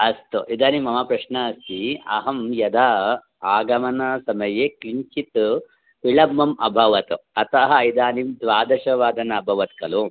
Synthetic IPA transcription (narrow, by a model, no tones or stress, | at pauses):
ɐst̪uʔid̪aːnimɐmaːpɾɐʂnɐsiɐ̰ɦɐmjɐd̪ʱaː | aːɡɐmɐnɐsɐmɐjeːkliɲt͡ʃit̪ | piɭɐmːɐmɐ̰bʱɐʋɐt̪uɐt̪ɐɦɐid̪aːnimd̪ʋaːd̪ɐʃɐʋaːd̪ɐnɐɐbʱɐʋɐt̪̚kɐlu